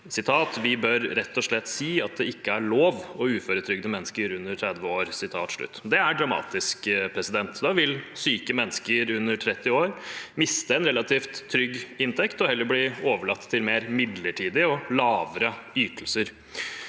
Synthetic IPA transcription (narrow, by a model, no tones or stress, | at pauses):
sɪt̪ʰɑːt̪ʋɪbœɾɾɛt̪ʰːɔʂɭɛt̪ːsiːɑt̪̚d̪ɛɪkːəæɭoːʋɔʉːføːɾət̪ʰɾʏɡd̪əmɛnːəskəɾʉnːəʈʰɾɛd̪ʋəoːɾsɪt̪ʰɑːt̪ʂɭʉ̰t̪ːd̪ɛæɖɾɑmɑ̰ːt̪ɪskpʰɾɛsɪd̪ɛnt̪d̪ɑːʋɪlsyːkəmɛnːəskəɾʉnːəɾʈʰɾɛt̪ːɪoːɾmɪst̪əɛnɾɛlɑt̪ʰiːft̪ʰːɾʏɡːɪnt̪ʰɛkt̪ɔhɛlːəɾbliːoːʋəɭɑt̪ʰːɪlmeːɾmɪd̪ləʈʰiːd̪ɪɔlɑːʋəɾəyːt̪lsəɾ